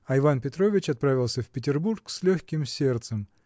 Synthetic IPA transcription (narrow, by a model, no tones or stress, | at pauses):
ɐɪvanpʲɪt̪ɾovʲɪt͡ɕɐt̪̚pɾavʲɪlˠsʲəfpʲɪt̬ʲɪrburksʲlʲɵxʲkʲɪmsʲe̞rt̪səm